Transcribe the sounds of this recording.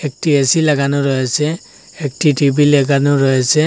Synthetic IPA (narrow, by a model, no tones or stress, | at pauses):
ɛk̚tiɛsilaɡanʊɹɔjasɛ | ek̚titibilɛɡanʊɹɔjasɛ